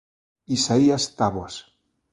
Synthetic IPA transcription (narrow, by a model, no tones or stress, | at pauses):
isaiast̪aβwas